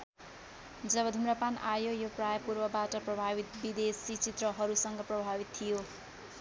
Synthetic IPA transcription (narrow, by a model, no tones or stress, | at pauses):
d͡zʌbʌd̪ʱumrʌpanajojoprajʌpurbʌbaʈʌprʌbʱabit̪bid̪esit͡sit̪rʌɦʌɾusʌŋɡʌprʌbʱabit̪t̪ʰːijo